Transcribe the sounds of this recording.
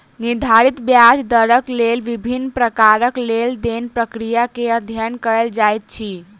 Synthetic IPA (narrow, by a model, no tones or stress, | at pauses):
nid̪ʱaɾit̪bjad͡ʒd̪əɾəklelʋibʱinːpɾəkaɾəkleld̪enpɾəkɾijakeəd̪ʱjənkəɾəld͡ʒajt̪̚t͡ʃʰi